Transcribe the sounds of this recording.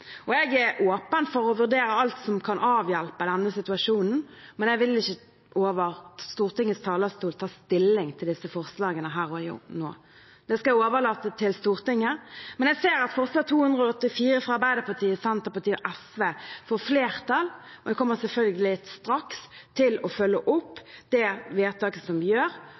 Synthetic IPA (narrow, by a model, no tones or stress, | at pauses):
ɔɛɡæʔoːpənfɔʁɔʋʉʁd̪eːɾəɑlt̪sɔmkʰɑnʔɑːʋjælpəd̪ɛnːəsɪt̪ʉɑʂuːnn̩mɛnɛɡʋɪlɪçːə | ʔoːʋəʁst̪uːʁt̪ɪŋːəst̪ʰɑːləst̪uːlt̪ʰɑːst̪ɪlːɪŋt̪ʰɪld̪ɪsəfɔʁslɑːɡənəɦæːʁɔjṵːno̰ː | d̪̥ɛskɑæoːʋəʁlɑt̪ːət̪ʰɪlst̪uːʁt̪ɪŋːəmɛnɛseːɾɑt̪fɔʁslɑːɡ̚t̪ʰuːhʉnd̪ʁəɔɔt̪ːɪfiːɾəfɔɑɾbæɪd̪əpɑʁt̪ʰiːəsɛnt̪əɾpɑt̪ʰiːɔʔɛsʋeːfoːɾfleːʁt̪ʰɑlɔd̪ɛkʰɔmːəsɛlfœlɡəlɪst̪ɾɑkst̪ʰɪlɔfœlːəʔʊpːd̪̥ɛʋeːt̪ʰɑːkəsɔmʋɪjøːɾ